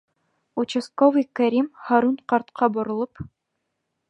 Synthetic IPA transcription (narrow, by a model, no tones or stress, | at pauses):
ut͡ɕɘ̆skovijkæɾʲimhɑɾunqɑɾt̪qʰɑbŏɾɤ̆lˠɤp